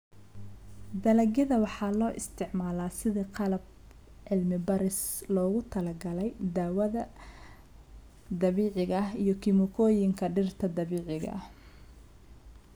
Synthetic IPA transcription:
d̪ɐlɐɡɐðɐwɑħɑːlɔːʔɪst̪ʰɪʕmaːlaːsɪðiːqɑlɐb̚ | ʕɪlmɪbɐɾɪslɔːɣʊt̪ʰɐlɐɡɐlɛjd̪aːwɐðɐ | d̪ɐβiːʕɪɣɐijɞkʰɪmʊkʰɔːjɪŋkʰɐɖɪrt̪ʰɐd̪ɐβiːʕɪɣɐ̰

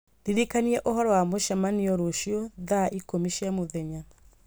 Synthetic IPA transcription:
diɾikaniɛʔoɦɔɾɔwamoʃamaniɔɾoʃiɔðaʔikomiʃiamoðɛɲa

